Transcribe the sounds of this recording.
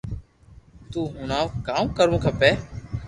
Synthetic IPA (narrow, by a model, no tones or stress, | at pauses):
t̪uːɦʊnãːokaːũːkəɾũːkʰəpeː